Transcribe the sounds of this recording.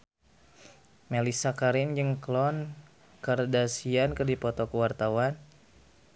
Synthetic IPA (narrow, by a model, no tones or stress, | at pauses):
melisakaɾɪnd͡ʒɨŋklɔn | kardasiankərdipɔt̪ɔkəwart̪awan